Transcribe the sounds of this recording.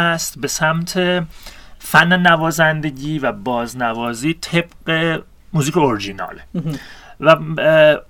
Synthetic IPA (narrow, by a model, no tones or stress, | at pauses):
æst̪be̞sæmt̪ʰe | fænːenævɒːzænd̪e̞ɟiːvæbɒːznævɒːziːt̪ʰe̞b̥ɢe̞ | muːziːkʰeoɾid͡ʒinɒ̰ːle | væ